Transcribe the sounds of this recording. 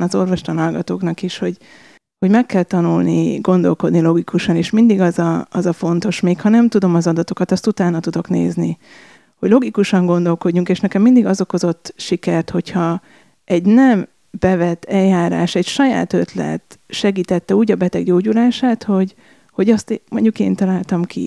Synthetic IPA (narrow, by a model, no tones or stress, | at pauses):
nɒzo̞rvoʃt̪ɒnɒlɡɒt̪oːknɒkiʃho̞ɟ | ho̞ɟmɛkːɛlt̪ɒnulniɡo̞nd̪o̞lko̞d̪nilo̞ɡikuʃɒneːʃmind̪iɡɒzɒɒzɒfo̞nt̪o̞ʃmeːkhɒnɛmt̪ud̪o̞mɒzɒd̪ɒt̪o̞kɒt̪ɒst̪ut̪aːnːɒt̪ud̪o̞knḛːzni | ho̞ɟlo̞ɡikuʃɒŋɡo̞nd̪o̞lko̞ɟːuŋkeːʃnɛkɛmːind̪iɡɒzo̞ko̞zo̞t̪ːʃikɛrt̪ho̞chɒ | ɛɟnɛm | b̥ɛvɛt̪ːɛjːaːɾa̰ːʃɛɟʃɒja̰ːt̪ø̞t̪lɛ̰t̪ʃɛɡiːt̪ɛt̪ːɛuːɟɒbɛt̪ɛɡɟoːɟulaːʃaːt̪ho̞ɟ | ho̞ɟɒst̪mʔo̞ɲɟukḛːnt̪ɒlaːlt̪ɒmkʰḭ